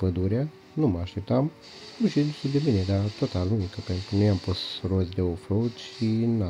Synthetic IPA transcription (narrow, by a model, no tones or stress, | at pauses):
pəd̪uɾea | numəaʃt̪e̞p̚t̪am | uʃid̪suld̪ebined̪at̪ot̪alunikəpent̪ɾunojampost̪rozʲd̪e̞ofloud̪ʃina